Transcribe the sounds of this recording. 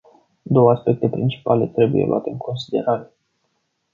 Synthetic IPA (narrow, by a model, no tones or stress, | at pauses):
d̪o̞wəaspe̞k̚t̪e̞pɾint͡ʃi̥pale̞t̪ɾe̞bujelṵʔa̰t̪e̞ɨŋkʰo̞nsid̪e̞̰ɾaɾe̞